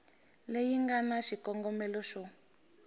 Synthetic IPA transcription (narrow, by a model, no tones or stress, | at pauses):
lejiŋɡanaʃikɔŋɡɔmɛlɔʃɔ